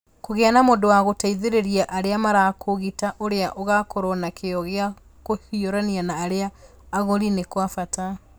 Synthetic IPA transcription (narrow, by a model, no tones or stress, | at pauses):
koɣeanamodowaɣotaiðeɾeɾiaʔaɾeamaɾakʰoɣitaʔoɾeaʔoɣakoɾɔnakʰeɔɣea | kohioɾanianaːɾeaː | ɣoɾinekwafata